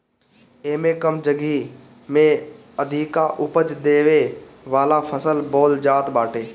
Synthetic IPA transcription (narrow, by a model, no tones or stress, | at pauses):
eːmẽkəmd͡ʒəɡi | mẽ | əd̪ʱikaʔʊpəd͡ʒd̪eːʋeʋaːlapʰəsəlbɔːld͡ʒaːt̪baːʈʰeː